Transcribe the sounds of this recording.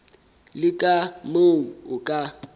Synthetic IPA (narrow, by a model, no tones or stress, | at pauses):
lɪkʼamoŋ̩ʊkʼa